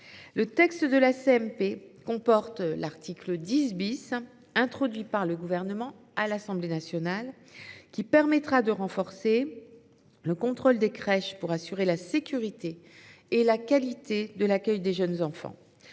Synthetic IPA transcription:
lət̪ɛkst̪əd̪əlaseɛmpekɔ̃pɔʁt̪laʁt̪ʰikləd̪isbis | ɛ̃t̪χɔd̪ɥipaʁləɡuvɛʁnəmɑ̃ | alasɑ̃blenasjɔnal | kʲipɛʁmɛt̪χad̪əʁɑ̃fɔʁse | ləkɔ̃t̪χold̪ekχɛʃpuʁasyʁelasekʲyʁit̪eː | lakʲalit̪ed̪əlakʲœjd̪eʒənzɑ̃fɑ̰̃

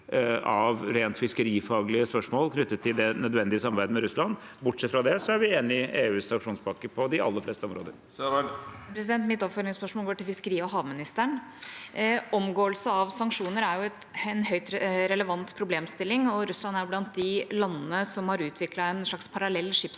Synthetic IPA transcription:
ɑʋɾeːnt̪fɪskəɾiːfɑːɡlɪəspœʂmoːlkʰnʏt̪ːət̪ʰːɪld̪ɛnœd̪ʋɛnd̪ɪəsɑmɑbæɪd̪əmɛɾʉslɑnbʊʈsɛt̪ːfɾɑd̪ɛsɔæɾʋɪeːnɪeːʉːsːɑŋkʂuːnspɑkːəpʰɔd̪ɪɑ̰lːəflɛːst̪əɔmɾoːd̪əɾ | pʰɾɛs̬ɪd̪ɛnt̪mɪt̪ːɔpfœɾɪŋspœʂmolɡoːʈɪlfɪskəɾiːɔɦɑːʋmɪnɪst̪æɳ | ɔmɡoːəlsəɑʋsɑŋkʂuːnəɾæɾjʊɛt̪ɛnɦœʏt̪ɾɛləʋɑnt̪pʰɾʊbleːmst̪ɪlːɪŋɔɾʉslɑnæɾblɑnt̪̚d̪ɪlɑnːənəsɔmhɑɾʉːt̪ʰʋɪklɑɛnʂɭɑkspʰɑɾɑlɛlːʂɪps

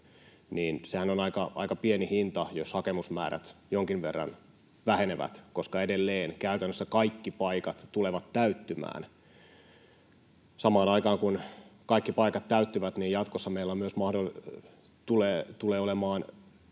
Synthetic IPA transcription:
niːnsehænonɑikɑʔɑ̰ikɑpienihint̪ɑjoshɑkemusmæ̰ːɾæ̰t̪joŋkiʋʋerːɑ̰n | ʋæheneʋæ̰t̪koskɑedelːeːnkæyt̪ænːøsːækɑikːipɑikɑt̪t̪uleʋɑt̪tæyt̪ːymæ̰ːn | sɑmɑːnɑikɑːŋkunkɑikːipɑikɑt̪t̪ːæyt̪ːyʋæt̪niːjjɑt̪kosːɑmeilːɑmyøsmɑhdol | t̪uleːt̪uleːolemɑːn

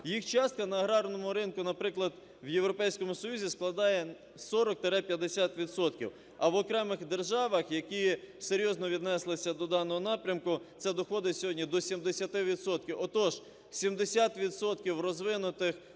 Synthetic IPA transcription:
jixt͡ʃɑst̪̚kɐnɐːɦɾɑrnɔmʊɾɪnkʊnɐpɾɪklˠɐd̪ | wje̞wɾɔpɛjsʲkɔmʊsɔjuzʲisklˠɐd̪ɑjɛ | sɔɾɔk̚t̪eɾɛpʲjɐd̪esʲat̪ʋʲid̪sɔt̪kʲḭw | ɐʋɔkɾɛmɪxd̪erʒɑʋɐxjɐkiseɾʲjɔznɔʋʲid̪nɛslˠɪsʲɐd̪ɔd̪ɑnɔɦɔnɑpɾʲɐmkʊt̪sɛd̪ɔxɔd̪ɪsʲɔɦɔdʲnʲid̪ɔsʲimd̪esʲɐt̪ɪʋʲid̪sɔt̪kʲiwɔt̪ɔʒ | sʲimd̪esʲat̪ʋʲid̪sɔt̪kʲiwrɔzʋɪnʊt̪ɪx

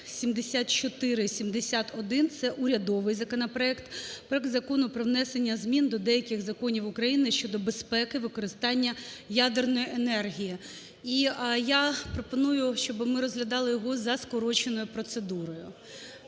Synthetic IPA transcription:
sʲimd̪esʲat̪̚t͡ʃɔt̪ɪɾɪsʲimd̪esʲat̪ɔd̪ɪnt̪sɛʔʊɾʲɐd̪ɔʋɪjzɐkɔnɐpɾɔɛkt̪pɾɔɛk̚t̪zɐkɔnʊpɾɔʋnɛsenʲːɐzmʲind̪ɔd̪ɛjɐkʲɪɣzɐkɔnʲiwʊkɾɐjinɪʃt͡ʃɔd̪ɔbespɛkɪʋɪkɔɾɪst̪ɑnʲːɐjad̪ernɔjiʔenɛrɦʲiji | ijapɾɔpɔnujʊʃt͡ʃɔbɪmɪɾɔzɦlʲɐd̪ɑlˠɪjɔɦɔzɐskɔɾɔt͡ʃenɔjʊpɾɔt̪sed̪uɾɔjʊ

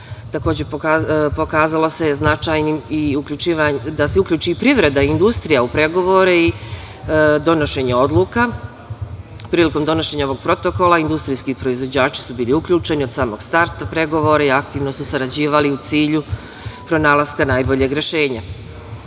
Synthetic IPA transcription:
t̪ako̞ːd͡ʑe̞ppo̞kaːzalose̞znat͡ʃajnimiukʎʲut͡ʃiːʋad̪aseukʎʲuːt͡ʃiːpɾiʋɾe̞d̪aind̪ust̪ɾijaupɾe̞ɡo̞ʋo̞ɾei | d̪o̞no̞ʃe̞ɲeo̞d̪lˠuka | pɾiːliko̞md̪o̞no̞ʃe̞ɲaoʋo̞ɡ̥̚pɾo̞t̪o̞ko̞lˠaind̪ust̪ɾiskipɾo̞izʋo̞d͡ʑaːt͡ʃi̥subiːliukʎuːt͡ʃe̞nio̞d̪saːmo̞ɡ̥st̪aɾt̪apɾe̞ɡo̞ʋo̞ɾaiakt̪iːʋno̞susaɾad͡ʑiːʋaliut̪siːʎu | pɾo̞naːlˠaskanaːjbo̞ʎe̞ɡɾe̞ʃe̞ːɲa

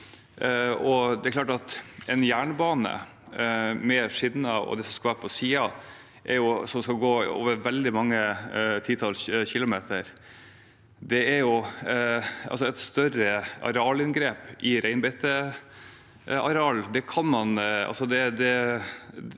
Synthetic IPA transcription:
ɔd̪ɛɾkʰlɑːʈɑt̪ʔɛnjæːɳbɑːnə̰ | mɛʂɪnːɑɔ̰d̪ɛsɔmskɑʋæːɾpʰɔsiːɑ | ʔɛɾjʊsɔmskɑɡoːo̰ːʋəɾʋɛld̪ɪmɑŋːət̪ʰiːt̪ʰɑlsçɪlʊmeːt̪əɾ | d̪ɛɛɾjʊ | ʔɑ̰lsɔɛt̪st̪œɾəɑ̰ɾɑːlɪnɡɾeːpʔɪɾæɪnbɛt̪ə | ɑɾɑːld̪ɛkʰɑnmɑnɑ̰lsɔd̪ɛd̪ɛ

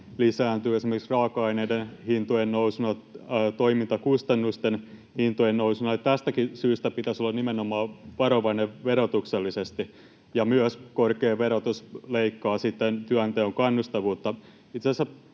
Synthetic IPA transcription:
lisæːnt̪yːesimerkiksrɑːkɑineidenhint̪ojennousunɑːt̪oimint̪ɑkust̪ɑnːust̪en | hint̪ojennousunɑjt̪æst̪ækisyːst̪æpit̪æsolːɑnimenomˑɑːʋɑɾoʋɑneʋʋeɾot̪ukselːisest̪i | jɑmyøskorkeːʋeɾot̪usleikːɑːsit̪ːent̪yænt̪eoŋkɑnːust̪ɑʋuːt̪ːɑ | it̪sesæ

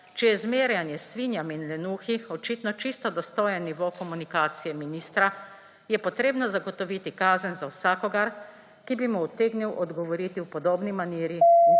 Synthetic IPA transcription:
t͡ʃɛjɛzmeːɾjanjɛsʋinjaminlɛnuːxiɔt͡ʃit̪nɔt͡ʃist̪ɔd̪ɔst̪oːjɛnːiʋokɔmunikaːt̪sijɛminiːst̪ɾa | jɛpɔt̪ɾeːbnɔzaɡɔt̪ɔʋiːt̪ikaːzənzawsaːkɔɡaɾ | kibimuːt̪eːɡniwʔɔd̪ɡɔʋɔɾiːt̪iwpɔd̪oːbnimaniːɾi

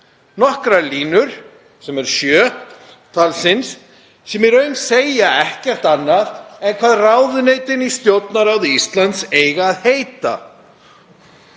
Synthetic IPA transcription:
nɔhkɾaliːnʏɾ̥ | sɛmɛɾ̥sjœː | t̪ʰalsɪnsː | ɛmɛɾœɥnseːjaɛhcɛr̥t̪anːaðɛðkʰvaːðraːwðʏneːjt̪ɪnist̪jowt̪naɾawðist̪lant̪seːjɣaːðhejt̪a̰

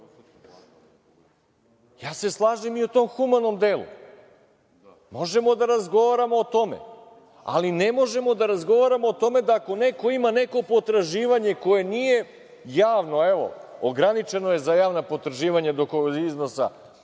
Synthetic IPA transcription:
jaːse̞slˠaːʒemiot̪o̞ːmxumano̞md̪eːlṵ | mo̞ʒe̞mo̞d̪aɾazɡo̞ʋaɾamoːt̪o̞mḛ | a̰linemo̞ʒe̞mo̞d̪aɾazɡo̞ʋaɾamo̞ːt̪o̞me̞d̪aːko̞neko̞imane̞ko̞po̞t̪ɾaʒiːʋaɲe̞ko̞je̞nije | jaːʋno̞eʋo̞̰oɡɾanit͡ʃe̞no̞je̞zajaːʋnapo̞t̪ɾaʒiːʋaɲad̪o̞koizno̞sa̰

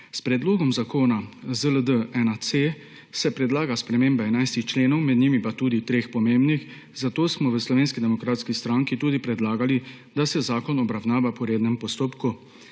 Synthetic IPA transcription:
spɾɛd̪loːɡɔmzakoːnazələd̪əɛnase | sɛpɾɛd̪laːɡaspɾɛmeːmbaɛnajst̪ixt͡ʃleːnɔwmɛd̪nimipat̪uːd̪it̪ɾeːxpɔmeːmbnix | zat̪oːsmɔʋəslɔʋeːnskid̪ɛmɔkɾaːt̪skist̪ɾaːŋkit̪uːd̪ipɾɛd̪laːɡali | d̪asɛzaːkɔnɔbɾawnaːʋapɔɾeːd̪nɛmpɔst̪oːpku

